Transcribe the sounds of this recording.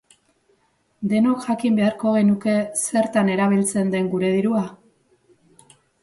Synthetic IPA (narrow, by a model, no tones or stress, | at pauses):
d̪e̞nokʝakimbe̞aɾko̞ɣ̞e̞nuke̞se̞ɾt̪ane̞ɾaβ̞ilt͡se̞nd̪e̞ŋɡuɾe̞ðiɾua